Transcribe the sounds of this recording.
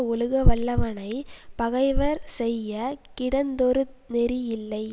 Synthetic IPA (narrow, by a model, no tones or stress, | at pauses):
ɔlɯɣɐʋɐɭːɐʋɐnɐɪpɐɣɐɪʋɐɾsɛjːɐkɪɽɐnd̪ɔɾɯt̪̚nɛɾijɪlːɐɪ